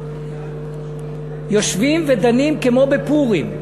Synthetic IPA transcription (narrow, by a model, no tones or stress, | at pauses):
jo̞ʃvimved̪animkemo̞bepuʁim